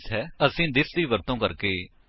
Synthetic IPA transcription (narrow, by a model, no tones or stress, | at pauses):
sɦɛːəsĩːd̪ɪsd̪iːʋəɾt̪õːkəɾkeː